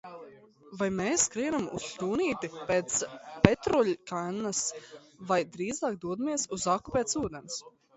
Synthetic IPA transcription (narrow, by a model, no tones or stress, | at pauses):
vajmeːsːkɾiɛnamṵsʎʲuːniːt̪ipeːt̪spet̪ɾɔlʲkanːas | vajd̪ɾiːzɑːk̚d̪uɔd̪amiɛsuzakːu̥pʲeːt̪suːd̪ɛns